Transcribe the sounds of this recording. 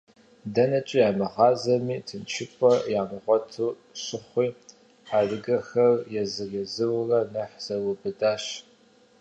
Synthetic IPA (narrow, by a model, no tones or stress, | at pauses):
dɐnɐt͡ʃʼijaːmɐʁɑːzɐmiːtʰɨnt͡ʃʰɪpʷʼɔjaːmɨʁʷɔtʰuː | ɕɪχʷiː | aːdɨɡɐxɐrjɛzɨɣɛzɨwrɐnɐħz̥ɐwɨbɨdaːɕ